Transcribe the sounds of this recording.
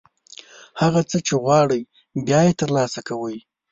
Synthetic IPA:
haɣat͡sət͡ʃeɣwɑɽəj | bjɑjet̪əɾlɑsakawəj

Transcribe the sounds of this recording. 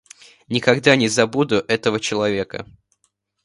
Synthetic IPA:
nʲɪkɐɡd̪anʲɪzɐbud̪ʊʔɛt̪əvət͡ɕɪlˠɐvʲekə̰

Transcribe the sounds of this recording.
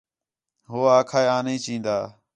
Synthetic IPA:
ɦoːaːkʰaːeːaːnĩːt͡ʃĩːnd̪aː

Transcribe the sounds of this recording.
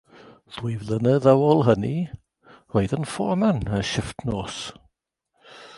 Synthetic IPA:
ð̥wɪjvlˠənəðawɔlˠɦəni | roɨðənfɔmanəʃɪftʰnoːs

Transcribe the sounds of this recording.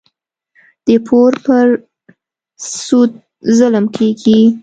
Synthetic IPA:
d̪̥əpʰoɾpəɾ | sud̪̚ | zələmkʰeɡi

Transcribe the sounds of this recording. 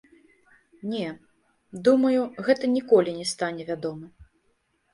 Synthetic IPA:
nʲɛ | d̪umɐjuɣɛt̪ɐnʲikɔlʲinʲɛst̪anʲɛvʲad̪ɔmɨ

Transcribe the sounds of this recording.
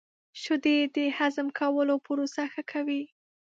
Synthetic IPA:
ʃʊd̪ed̪əhazəmkʰawəlopəɾosaxakʰawi

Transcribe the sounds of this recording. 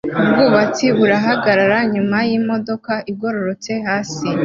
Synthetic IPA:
ubɡuːβat͡siβuɾaɦaɡaɾaɾaɲumajiːmo̞do̞kaʔiɡo̞ɾo̞ɾo̞t͡se̞haːsi

